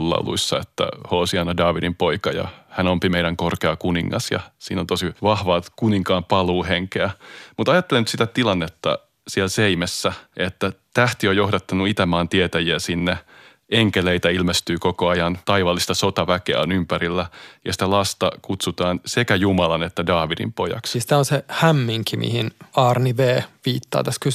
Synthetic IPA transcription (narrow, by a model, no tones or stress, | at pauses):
lːɑ̰lṵisːɑ̰ḛt̪ːæ̰hoːsiɑnɑdɑːʋidimpoikɑjɑ̰hænompimeiɾæŋkorkeɑkuniŋːʔɑ̰sjɑ̰sḭːnont̪osiʋɑhʋɑːkuniŋkɑːmpɑluːheŋkeæmut̪ɑjɑt̪ːelenyt̪sit̪æt̪ilɑnːet̪ːɑ̰ | sielseimesːæʔet̪ːæt̪æht̪iojohdɑt̪ːɑnuit̪æmɑːnt̪iet̪æjiæsinːe | eŋkeleit̪æilmest̪yːkokoɑjɑnt̪ɑiʋɑlːist̪ɑsot̪ɑʋækeæ̰onympæɾilːæjɑsi̥t̪ælɑst̪ɑkut̪sut̪ɑːnsekæjumɑlɑnet̪ːædɑːʋidḭmpojɑ̰ksst̪æonsehæmːiŋkimḭhinɑːrniʋeːʋiːt̪ːɑ̰ːt̪æsky